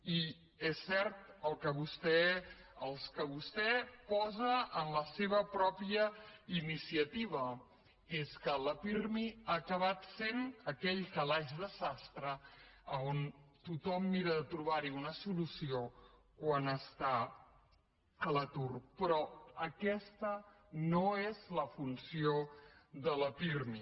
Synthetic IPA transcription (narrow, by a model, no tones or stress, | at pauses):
i | ɛsːɛɾt̪əlˠkəβust̪ɛəlˠskəβust̪ɛpɔzəːnləseβ̞əpɾɔpiəinisiət̪iβə | eskələfirmiaːkəβat̪senəkɛʎkəlaʒðəzast̪ɾəəont̪ut̪ɔmːiɾəðət̪ɾuβaɾiunəsulusio | kwanəst̪a | ələt̪urpɾɔəkɛst̪ə | noezləfunsioðələpirmi